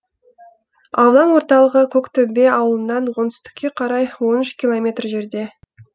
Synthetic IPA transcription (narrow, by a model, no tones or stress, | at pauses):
ɑwlˠɑnwo̞ɾt̪ɑlˠəʁəkʲʰɵkt̪ʰɵmbe̞ɑwəlˠənːɑnwo̞nt̪ʏ̥st̪ɪ̥kʲːe̞qʰɑɾɑjwo̞nʏʃkʲilˠo̞mʲe̞t̪rʒe̞ɾd̪e̞